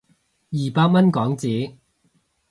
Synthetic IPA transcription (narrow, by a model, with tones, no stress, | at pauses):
jiː˨paː˧k̚mɐ˥nkɔː˨˥ŋt͡siː˨˥